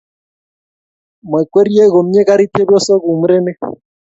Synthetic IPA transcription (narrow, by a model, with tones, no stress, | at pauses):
m˨ɛ˨kwe˦ɾi˦e˦ɣo˨m˦ɲe˦ɣa˦ɾi˦te˦bjɔ˦sɔ˦ɣu˨m˦ɾe˦ne˦